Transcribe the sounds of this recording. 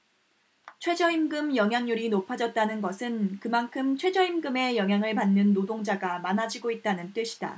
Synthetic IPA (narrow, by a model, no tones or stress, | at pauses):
t͡ɕʰwe̞d͡ʑʌimɡɯmjʌŋɦjaŋɲuɾinopʰad͡ʑʌt̚t͈anɯnɡʌsʰɯnkɯmankʰɯmt͡ɕʰwe̞d͡ʑʌimɡɯme̞jʌŋɦjaŋɯɭpanːɯnːodoŋd͡ʑaɡamanad͡ʑiɡoit̚t͈anɯnt͈we̞ɕʰi̥d̥a̰